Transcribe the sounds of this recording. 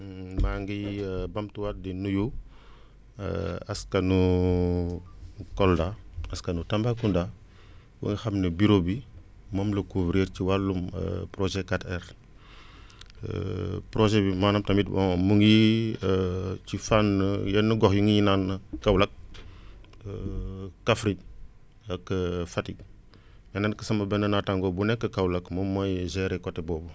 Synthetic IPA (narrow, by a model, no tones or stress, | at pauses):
maŋɡibɐmtuwat̚dinuju | ɐ̰skɐnu | kɔldaɐskɐnutɐmbakunda | wṵŋɡixɐmnəbiɾobi | mɔmlɐkuvɾeːɾciwalːumə̰pɾoʒɛkatɛɾ | pɾoʒɛbimaːnɐmtɐmitbɔ̰ŋmuŋɡi | t͡ʃifanːəjɛnːəɡɔxjuŋɡijinanɐkːɐwlɐk̚ | kːafɾi | ɐkːəfati | mɛnankəsɐmɐbɛnːɐnataŋɡɔbunɛkːəkɐwlɐkmɐmːɐjzɛɾɛkɔtːɛbɔːbu